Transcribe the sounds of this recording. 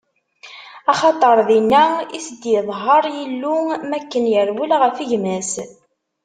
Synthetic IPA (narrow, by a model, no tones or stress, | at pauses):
ɑχɑt̪ˤɑɾˤðinːæisəd̪jəðˤɦɑɾˤjəlːumækːənjəɾwulʁəfiʝmæs